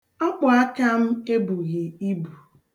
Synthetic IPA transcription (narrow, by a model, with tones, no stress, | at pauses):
ɔ˦k͡pʊ˨a˦ka˦m̩˦e˦bu˨ɣi˨i˦bu˨